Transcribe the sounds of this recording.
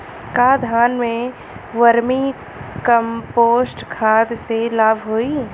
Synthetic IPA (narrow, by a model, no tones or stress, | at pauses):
kaːd̪ʱaːnmẽ | ʋɐɾmi | kɐmpoːsʈkʰaːd̪selaːbʱɦoːi